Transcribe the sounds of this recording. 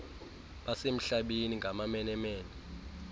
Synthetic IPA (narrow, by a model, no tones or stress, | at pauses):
ɓasem̩ɬaɓeniŋɡʱamamɛnɛmeːni